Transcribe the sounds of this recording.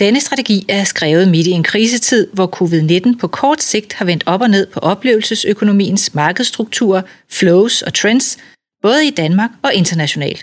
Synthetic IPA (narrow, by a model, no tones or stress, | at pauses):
d̥enəsd̥ʁɑ̈t͡sʰeɡ̥ḭːæɐsɡ̥ʁɛːʊð̞̩ˠmed̥ie̝nkʰʁiːs̬ət͡sʰið̞̰ˠʋɒkʰo̝ːʋið̞ˠne̝d̥n̩pʰɒ̽kʰɒːd̥se̝ɡ̥̚d̥hɑ̈ʋen̰d̥ɒ̽b̥ɒ̽ne̝ð̰ˠpʰɒ̽ʔɒ̽b̥le̝̰ːʊl̩səsøkʰo̝no̝mḭːn̩smɑ̈ːɡ̥əð̞̩ˠsd̥ʁuɡ̥̚t͡sʰṵːɐfloʊsɒ̽t͡sʰʁend̥s | b̥ɔ̽ːð̞̩ˠid̥ænmɑ̈ːɡ̥ɒ̽ʔe̝nd̥ɐnæɕo̝nɛ̰ːld̥